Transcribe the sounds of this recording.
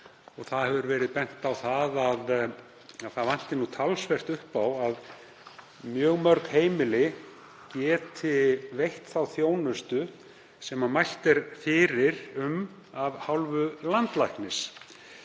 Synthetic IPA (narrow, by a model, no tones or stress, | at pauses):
ɔɣθaðhɛvʏɾvɛːɾɪðpɛn̥t̪awθaðað | aðθavan̥t̪ɪnut̪ʰalsvɛr̥t̪ʏhpawað | mjœːɣmœɾkheːjmɪlɪ | cɛːt̪ʰɪvejht̪θawθjoːwnʏst̪ʏ | sɛmamajl̥t̪ɛɾfɪːɾɪɾʏm | avhawlvʏlant̪lajknɪs